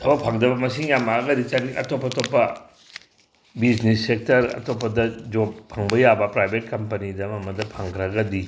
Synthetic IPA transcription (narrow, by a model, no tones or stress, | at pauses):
tʰɐbɐpʰaŋdɐbɐmɐsiŋjamaɡɐdit͡ʃaniʔɐ̰topːɐtopːɐ | bid͡ʒnesːek̚tɐɾɐ̰tʰopːɐdɐd͡ʒoppʰaŋbɐjabɐpɾajbʱet̚kɐmpɐnidɐmɐmɐdɐpʰaŋɡɾɐɡɐdi